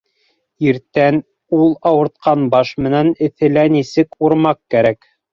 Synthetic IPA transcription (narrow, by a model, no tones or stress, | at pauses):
iɾt̪æn | ulˠɑwɤ̆ɾt̪̚qɑnbɑʃmɘ̆nænɘ̆θɘ̆lænisɘkuɾmɑqkːæɾæk